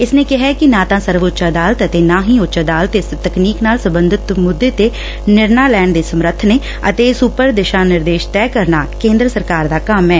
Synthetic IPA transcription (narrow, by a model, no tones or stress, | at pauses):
ɪsnẽːkɪɦɛːkɪnãːt̪ãːsəɾʋʊtːʃaəd̪aːlət̪ət̪eːnãːɦĩːʊtːʃəd̪aːlət̪est̪əkniːknaːlsəbənd̪ɪt̪mʊd̪ːeːt̪eː | nɪɾnaːlɛːɳd̪eːsəmɾət̪ʰneː | ət̪eːɪsʊpəɾd̪ɪʃãːnɪɾd̪eːʃt̪ɛːkəɾnaːkẽːnd̪ɾəsəɾkaːɾd̪aːkəmɛː